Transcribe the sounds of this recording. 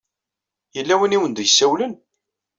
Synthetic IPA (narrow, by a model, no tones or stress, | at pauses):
jəlːæwiniwənd̪jəsːæwlən